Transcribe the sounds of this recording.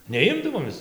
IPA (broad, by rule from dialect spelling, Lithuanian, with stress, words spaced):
nʲɛˈɪmdɐʋoːm ˈmʲɛs